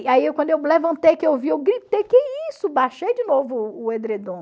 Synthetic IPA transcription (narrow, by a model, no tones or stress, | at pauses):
aiewkʷwɐ̃d̪ʊewlevɐ̃nt̪ejkɪewviewɡɾit̪ejkeisʊbaʃejd͡ʒɪnovʊːẽd̪ɾed̪õ